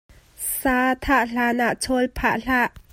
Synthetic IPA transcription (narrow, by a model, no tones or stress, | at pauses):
saːt̪ʰaʔɬaːnaʔt͡sʰɔlpʰaːʔɬaʔ